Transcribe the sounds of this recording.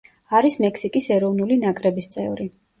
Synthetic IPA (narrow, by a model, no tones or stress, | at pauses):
aɾismɛksikʼisɛɾɔvnulinakʼɾɛbist̪sʼɛvɾi